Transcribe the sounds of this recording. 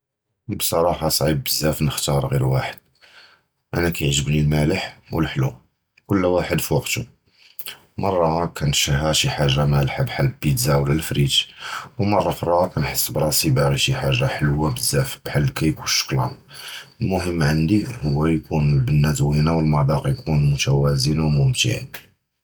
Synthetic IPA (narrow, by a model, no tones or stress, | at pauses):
bsˤɑɾˤɑħɑsˤʕibːəzːæfnəxt̪ɑɾˤɣiɾwaħəd̪̥̚ | ʔænækæjəʕʒəbnilmæləħwəlħlu | kʊlːwaħəd̪fiwɑqt̪u | mɑrˤːɑkænʃæɦæʃiħaʒːamælħabħalːbid̪zæwlælfɾit̪wmɑrˤːɑfɾˤɑkænħəsːbɾˤɑsibaɾiʃiħaʒːaħəlwabəzæfb̥ħalːkæjkunʃːə̥klɑ̰n | əlmʊhəmːʕənd̪ihʊwːæjkunlbənːæt̪winawəlmɑd̪ˤɑqjkunmʊt̪æwæzənwmʊmt̪ḭʕḭn